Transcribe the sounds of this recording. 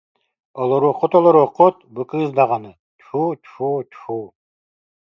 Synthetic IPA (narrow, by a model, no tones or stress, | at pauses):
olˠoɾoqːot̪olˠoɾoqːot̪̚bɯkɯzd̪ɑʁɑnɯ | t͡ʃʰut͡ʃʰut͡ʃu